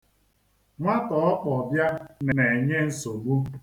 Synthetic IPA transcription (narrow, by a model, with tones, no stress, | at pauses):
ŋʷa˦tɔ˨ɔ˦pɔ˨bja˦n˨ne˨ɲe˦n̩˨so˨ɡ͡bu˦